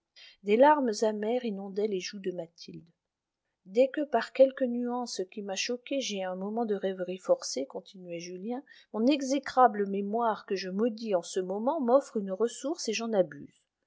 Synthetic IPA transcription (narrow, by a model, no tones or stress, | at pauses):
d̪elaʁmzamɛʁinɔ̃d̪ɛleʒud̪əmat̪ʰild̪ | d̪ɛkəpaʁkʲɛlkənyɑ̃skʲimaʃɔkʲeʒeɛ̃mɔmɑ̃d̪əʁɛvʁifɔʁsekɔ̃t̪inɥɛʒyljɛ̃mɔ̃nɛɡzekχabləmemwaʁkəʒəmɔd̪iɑ̃səmɔmɑ̃mɔfχynʁəsuʁseʒɑ̃naby̰ːz